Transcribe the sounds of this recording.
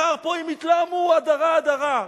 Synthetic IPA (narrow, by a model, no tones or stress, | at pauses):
aʁpoimit̪lamuad̪aʁaːd̪aʁa